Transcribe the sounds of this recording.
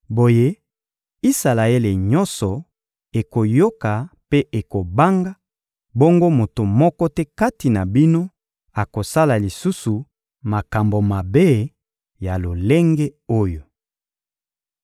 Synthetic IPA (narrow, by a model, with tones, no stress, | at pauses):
bo˨je˦ | i˦sa˨la˨e˦le˨ɲɔ˦nsɔ˨ | e˨ko˨jo˦ka˨pe˦ʔe˨ko˨ba˦ŋɡa˦ | bo˦ŋɡo˦mo˨to˨mɔ˦kɔ˦tɛ˦ka˦ti˨na˨bi˦no˦ | a˨ko˨sa˦la˨li˨su˦su˨ | ma˨ka˨mbo˨ma˨be˦ | ja˨lo˨le˦ŋɡɛ˦o˦jo˨